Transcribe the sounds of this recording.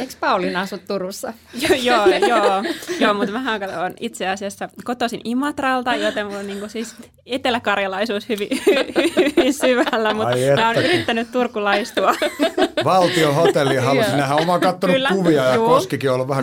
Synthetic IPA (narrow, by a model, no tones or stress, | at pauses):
ekspɑulinɑsut̪t̪urusːɑ | jjoːjojoːmut̪mæhæŋkɑt̪oːnit̪seɑsiæsːækot̪osinimɑt̪rɑlt̪ɑjot̪emmulniːŋkusiːs | et̪elækɑrjɑlɑisuːshyʋihyʋyʋinsyʋælːæmut̪emæonyɾit̪ːænyt̪t̪urkulɑist̪uɑ | ʋɑlt̪iohot̪elːihɑsnehæomɑkɑt̪ːonulːkuʋiɑjɑuːkoskikiolʋæhæ